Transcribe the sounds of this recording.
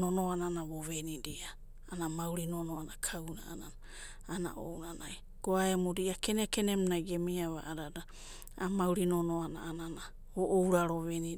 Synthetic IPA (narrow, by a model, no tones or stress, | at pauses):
nonoananaβoβenidia | anamawɾinonoanakʰawna̰a̰nana | ana̰ʔo̰wnanaj | ɡ̥oaemoɾiakenekenemnajɡemiaβa̰ʔaɾada | a̰mawɾinonoana̰ːnana | βoʔowɾaɾoβeni